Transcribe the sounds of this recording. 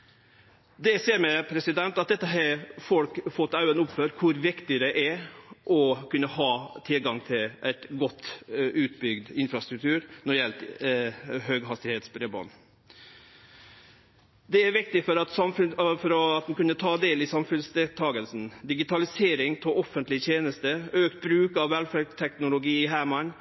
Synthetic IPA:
d̪ɛseːɾmɛpʰɾɛsɪd̪ɛnt̪ɑt̪̚d̪ɛt̪ːəɦɑfɔlkfɔt̪ːɑʉənʊpføːɾkʰʊɾʋɪkt̪ɪəɾɛʔæɾʔɔkʉnːəhɑːt̪ʰɪlɡɑŋt̪ʰɪlʔæɪt̪ɡɔt̪ːʉːt̪bʏɡd̪ɪnfɾɑst̪ɾʉk̚t̪ʰʉːɾnɔɾjɛlt̪ | høːɡɦɑst̪ɪheːt̪sbɾeːbɑ̰n | d̪ɛæɾʋɪk̚t̪ɪfɔɾɑt̪sɑmffɔɾɔɑt̪d̪ɛnkʉnːət̪ʰɑːd̪eːlɪsɑmfʉnsd̪ɛt̪ʰɑːɡəlsn̩d̪ɪɡɪt̪ʰɑlɪseːɾɪŋt̪ʰoɔfənt̪lɪt̪ʰjeːnəst̪əøːkt̪̚bɾʉːkɑʋːɛlfæɾɡt̪ʰɛknʊlʊɡiːɪɦæːmɑn

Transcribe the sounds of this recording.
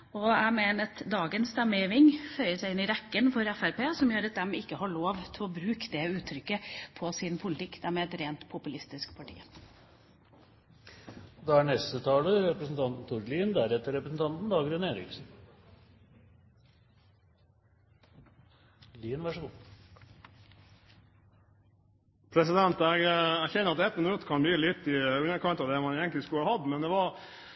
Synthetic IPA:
ɔæmeːnət̪d̪ɑːɡənst̪ɛmːəjiːʋɪŋfœʏəʂæɪɪnːɪɾɛkːənfɔɾɛfæɾpeːsɔmjøːɾɑt̪̚d̪ɛmɪkːəhɑɭoːʋt̪ʰɪlɔbɾʉːkd̪ɛʉːt̪ʰːɾʏkːəpʰɔsɪnpʰʊlɪt̪ʰɪkːd̪æɾmeːɛt̪ɾeːnt̪pʰʊpʉlɪst̪ɪskpʰɑʈʰḭː | d̪ɑæɳɛst̪ət̪ʰɑːləɾɛpɾəsn̩t̪ʰɑnt̪n̩t̪ʰuɾliːnd̪æɾɛt̪ːəɾɛpɾəsn̩t̪ʰɑnt̪n̩d̪ɑːɡɾʉneːɾɪ̰ksn̩ | liːnʋɑʂəɡuː | pʰɾɛsɪd̪ɛnt̪ɛɡɛɡçɛnːəɾɑt̪ɛt̪mənnʉt̪ːəkʰɑnb̪yːlɪt̪ːɪʉnəkʰɑnt̪ɑd̪ɛmɑneːɡəŋtlɪskʉləhɑd̪ːmɛnd̪ɛʋɑɾ

